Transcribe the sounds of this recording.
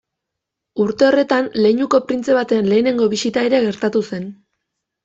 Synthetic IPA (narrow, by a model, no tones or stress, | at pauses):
uɾt̪e̞o̞re̞t̪anle̞jɲuko̞pɾint͡se̞β̞at̪e̞nle̞ːne̞ŋɡo̞βisit̪aeɾe̞ɣe̞ɾt̪at̪use̞n